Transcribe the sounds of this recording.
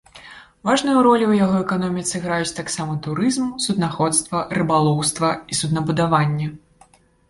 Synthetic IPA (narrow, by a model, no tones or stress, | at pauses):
vaʐnɨjuɾɔlʲiwjaɣɔɛkanɔmʲit̪sɨɣɾajut͡sʲt̪aksamɐt̪uɾɨzmsud̪naxɔt̪st̪vɐrɨbalˠɔwst̪vɐisud̪nɐbud̪avanʲːɛ